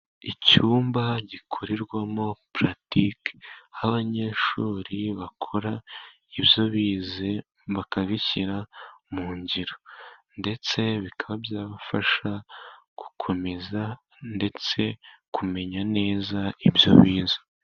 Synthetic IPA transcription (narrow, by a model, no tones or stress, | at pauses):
icuːmbaɟikʰuɾiɾɡwamo̞pɾatikaaβaɲe̞ʃuːɾiβakʰo̞ɾa | iβjo̞βiːze | βakaβiçiɾamuːɲɟiɾonde̞t͡se̞βikʰaβabjaːβafaʃa | ɡ̥u̥kʰo̞me̞za | nde̞t͡se̞kʰume̞ɲane̞ːzaibjo̞̰βiːze̥